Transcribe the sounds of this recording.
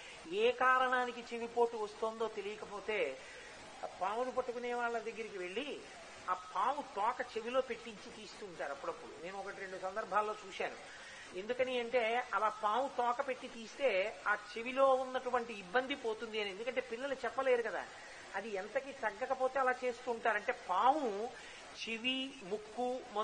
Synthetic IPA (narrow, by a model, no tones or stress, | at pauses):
eːkaːɾɐɳaːnikit͡ʃe̞ʋipo̞ːʈuʋɐst̪oːnd̪o̞ːt̪e̞lijɐkɐpoːt̪e̞ː | paːmunupɐʈːukuneːʋaːɭːɐd̪ɐɡːɐɾikiʋe̞ɭːi | aːpʰaːwut̪ɔːkɐt͡ʃe̞ʋilo̞ːpe̞ʈːiɲt͡ʃit̪iːst̪uːɳʈaːɾuɐpːuɽɐpːuɽṵne̞ːnuɔkɐʈiɾeɳɖusɐnd̪ɐɾbʱaːlːo̞ːt͡ʃuːʃaːnu | e̞nd̪ukɐniɐɳʈe̞ːɐlaːpaːwut̪ɔːkɐpe̞ʈːit̪iːst̪e̞ːaːt͡ʃe̞ʋilo̞ːunːɐʈuʋɐɳʈiːbːɐnd̪ipoːt̪und̪iɐniend̪ukɐɳʈe̞ːpilːɐlut͡ʃɛpːɐle̞ːɾukɐd̪a̰ː | ɐd̪iɐnt̪ɐkit̪ɐɡːɐkɐpo̞ːt̪e̞ːɐlaːt͡ʃe̞ːst̪uːɳʈaːɾɐɳʈe̞ːpaːwu | t͡ʃeʋi | mukːumɔ